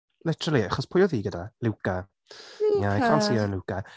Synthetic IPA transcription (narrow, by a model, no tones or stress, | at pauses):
lɪtʰəɾəlˠiaχɔspʰʊjɔðiːɡədalɪwka | jakʰalsiəənlˠuwka